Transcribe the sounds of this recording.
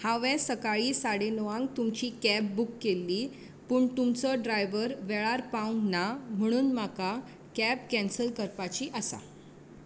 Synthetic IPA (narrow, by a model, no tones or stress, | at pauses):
haʋɛ̃səkaɭiːsaɽenoʋãŋɡ̚t̪umt͡ɕiːkæb̚bukːelːiː | puːɳt̪umt͡səɖɾajʋəɾʋɛɭaɾpaũŋɡnam̤əɽ̃uːnmaka | kæbkɛ̃nsəlkəɾpat͡ɕiːʔəsa̰